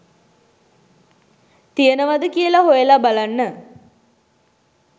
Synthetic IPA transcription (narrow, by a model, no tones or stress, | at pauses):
t̪ijənəʋad̪əkiəlaɦojəlabalanːə